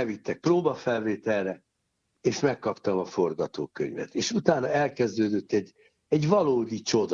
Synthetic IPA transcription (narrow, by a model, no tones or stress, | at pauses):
ɛvit̪ːɛk̚proːbɒfɛlveːt̪ɛlrɛ | eːʃmɛkːɒpt̪ɒmɒfo̞rɡɒt̪o̰ːkø̰ɲvɛ̰t̪eːʃut̪aːnɒɛlkɛzd̪øːd̪øt̪ːɛɟ | ɛɟvɒloːd̪it͡ʃo̞d̪